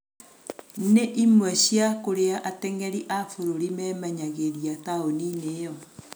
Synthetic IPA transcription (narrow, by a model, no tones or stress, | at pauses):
neʔimwɛɕjakoɾeaʔatɛŋɛɾiʔafoɾoɾimɛːmɛɲaɣeɾiataonineːjɔ